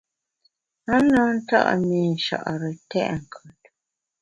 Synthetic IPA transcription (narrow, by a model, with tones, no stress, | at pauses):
a˦nɔ˨˦n̩˦ta̰˦ʔmi˨n̩˨ʃa̰˨ʔɾə˨tɛ̰˦ʔŋ̩˨kʰu˨t̚